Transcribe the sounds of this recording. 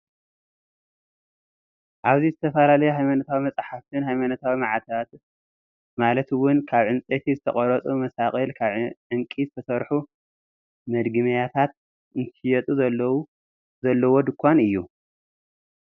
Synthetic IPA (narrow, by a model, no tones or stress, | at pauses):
ʔaβzizɨt̪ʰɐfɐlalɐjuɦajmanɐt̪ʰawimɐt͡sʼħaft̪ʰɨnhajmanɐt̪ʰawimaʕat̪ʰat̪ | malɐt̪wʊnkʰaβʕɨnt͡sʼet̪ʰizɨt̪ʰɐχʼɐɾɐt͡sʼumɐsaχʼɐlkʰaβʕʕɨŋkʼizɨt̪ʰɐsɐɾħu | mɐd̪ɡɨmɐjat̪ʰat̪̚ | ɨnt̪ʰɨjɛt̪ʼuzɐlːɐwu | zɐlːɐwod̪ɨkʰʷːanɨjːu